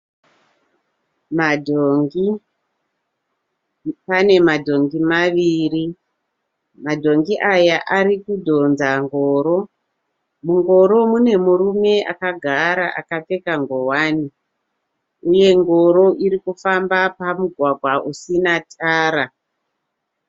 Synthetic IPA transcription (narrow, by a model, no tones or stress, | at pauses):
madʱoŋɡi | pane̞madʱo̞ŋɡimaʋiri | madʱo̞ŋɡiʔajaʔaɾikudʱo̞nzaŋɡo̞ːɾo̞ | muŋɡo̞ɾo̞mune̞muɾume̞a̰kaɡʱaɾaʔakap͡fe̞kaŋɡo̞wani | uje̞ŋɡo̞ɾo̞ʔiɾikufambapamuɡʱwaɡʱwaʔusinatʰaːɾa